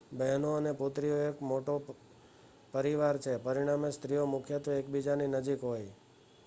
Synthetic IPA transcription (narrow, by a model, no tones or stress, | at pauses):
bəɦnoənepot̪ɾioekmoʈo | pəɾiʋaɾt͡ʃʰepəɾiɽ̃amest̪ɾijomʊkʰjət̪oekbid͡ʒaninəd͡ʒikɦoj